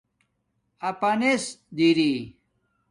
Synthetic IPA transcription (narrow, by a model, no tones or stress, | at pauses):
ɐpɐnesd̪iɾi